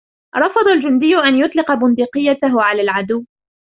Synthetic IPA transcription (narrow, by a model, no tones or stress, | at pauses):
ɾˤɑfɑd̪ˤɑld͡ʒʊnd̪ɪjːʊʔanjʊt̪ˤlɪqɑbʊnd̪iːqɨjːat̪aɦʊʕalaːlʕad̪ʊwː